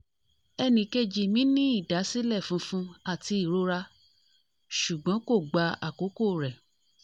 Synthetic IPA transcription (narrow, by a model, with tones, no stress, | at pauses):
ɛ˧nĩ˧ke˧d͡ʒi˨mĩ˦nĩ˦i˦˨da˨˦si˦lɛ˦˨fũ˨˦fũ˧a˦˨ti˧i˦˨ɾo˨˦ɾa˧ | ʃu˨ɡ͡bɔ̃˨˦ko˦˨ɡ͡ba˧a̰˨ko˨˦ko˦˨ɾɛ˨